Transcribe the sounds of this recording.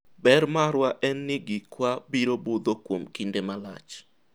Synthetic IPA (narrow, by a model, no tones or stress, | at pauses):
bɛɾmaɾwaʔɛnːɪɡikwabiɾobod̪okwomkindemala̰t͡ʃ